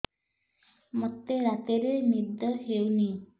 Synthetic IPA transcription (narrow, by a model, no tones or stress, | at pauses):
mət̪ːeɾat̪eɾemid̪əɦeuni